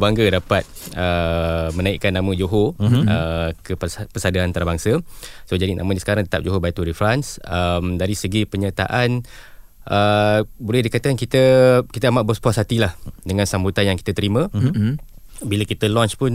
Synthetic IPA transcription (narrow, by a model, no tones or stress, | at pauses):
baŋɡədapat̪̚əmənaiʔkanːãmə̃d͡ʒoɦoəkəpəsadaant̪aɾabaŋsəsod͡ʒadinʔa̰mədisə̥kaɾaŋt̪ə̥t̪ap̚d͡ʒoɦobait̪uɾifɾansəmdaɾisəɡipəɲat̪a̰ʔan | ʔəbolɛhdikat̪akankit̪əkit̪əamaʔ̚bərspasat̪ilahdəŋãnsambut̪anjaŋki̥t̪ət̪əɾimə̃ | biləkit̪əlɔnt͡ʃpʊn